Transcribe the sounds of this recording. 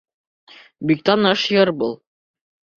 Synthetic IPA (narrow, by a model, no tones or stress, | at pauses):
bikt̪ɑnɑʃjɤɾbulˠ